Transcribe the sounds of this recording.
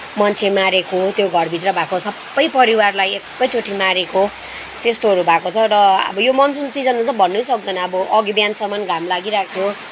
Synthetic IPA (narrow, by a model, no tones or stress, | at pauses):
mʌnt͡sʰemaɾekot̪joɡʱʌrbʱit̪rʌbʱakosʰʌbbːʌjpʌɾiwarlajekːʌjt͡sʰoʈʰimaɾeko | t̪est̪oɦʌɾubʱakot͡sʰʌɾʌʌ̰bʌjomʌnsunt͡sid͡zʌnmat͡sʌ̃bʱʌnːusʌk̚d̪ʌnʌʌbʌʔʌɡibjansʌmʌnɡʱamlaɡiɾakʰjo